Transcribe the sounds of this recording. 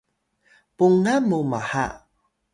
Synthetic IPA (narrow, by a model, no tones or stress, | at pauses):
puŋamumaha̰